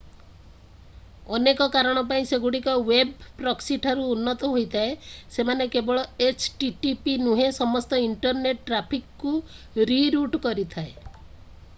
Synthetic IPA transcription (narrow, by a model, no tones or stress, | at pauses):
ɔnekɔkaɾɔɽ̃ɔpaĩseɡuɽikɔwebpɾɔksiʈʰaɾuːnːɔt̪ɔɦojt̪ʰaesemanekebɔɭɔet͡ʃʈiʈipinuɦesɔmɔst̪ɔiɳʈɔɾneʈʈːɾapʰikku | ɾiɾuʈkɔɾit̪ʰae